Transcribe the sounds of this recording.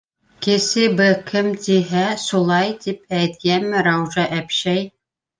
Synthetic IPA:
kɘ̆sɘbɘkʰɘmt̪iɦæsulˠɑjt̪ip̚æjt̪̚ɡæmɘɾɑwʒɑʔæpʃæj

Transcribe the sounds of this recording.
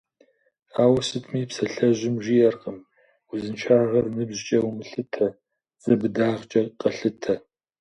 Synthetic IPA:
aːwɐsɨtʰʼmiːpsɐɬɐʑʷɪmʒijɐrqʼəm | ʊzɨnt͡ʃʰaːʁɐrnɨbʑt͡ʃʼɐwumɨɬɨtʰɐ | z̥ɐbɨdaːʁt͡ʃʼɐqʼɐɬɨtʰɐ

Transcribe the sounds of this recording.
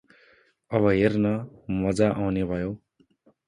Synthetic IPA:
ʌβʌɦernʌmʌd͡zaʔawnebʱʌjo

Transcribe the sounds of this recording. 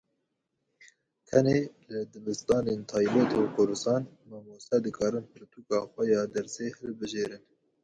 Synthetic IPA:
t̪ʰɛneːlɨd̪ɨbɨst̪ɑːneːnt̪ʰɑːjbɛt̪okʰʊɾd̪ɨst̪ɑːnmɑːmuːsɛd̪ɨkʰɑːɾɨnpʰɨɾt̪uːkɑːxʷɛjɑːd̪ɛɾseːhɨlbɨʒeːɾɨn

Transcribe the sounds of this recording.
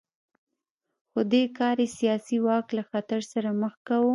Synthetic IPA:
xod̪ekɑɾesijɑsiwɑklaxat̪aɾsaɾaməxkawu

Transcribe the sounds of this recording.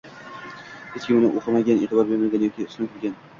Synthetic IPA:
het͡ʃkʲɪmɪnɪʔoqʰɨmaɡʲanet̪ɪbɒɾbeɾmaɡʲanjɒkʲiʊsɪnkʰʲɪɾɡʲan

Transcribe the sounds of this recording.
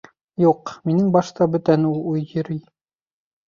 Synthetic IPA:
juqminɘŋbɑʃt̪ɑbɵt̪ænulˠujjɵ̆ɾi

